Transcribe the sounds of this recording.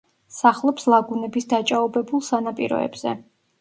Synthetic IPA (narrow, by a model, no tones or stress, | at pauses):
saχlˠɔpslˠaɡunɛbisd̪at͡ʃʼaɔbɛbulˠsanapʼḭɾɔ̰ɛ̰bz̥ɛ̰